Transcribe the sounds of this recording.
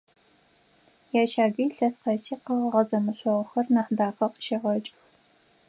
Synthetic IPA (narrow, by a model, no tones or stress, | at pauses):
jaːʃaːɡiːɬɐsqɑsiːqɐʁɐʁɐzɐmɨɕʷɔʁɐxɐrnɐħdaːqɐqʃeːʁɐt͡ʃʼx